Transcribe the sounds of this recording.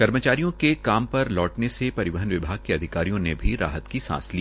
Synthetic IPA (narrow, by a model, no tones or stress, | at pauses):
kɐɾmət͡ʃaːɾijõkekaːmpɐɾlɔːʈnesepɐɾɪʋəɦənʋɪbʱaːɡ̚keɐd̪ʱɪkaːɾijõnebʱiɾa̰ːɦət̪kisã̰ːsliː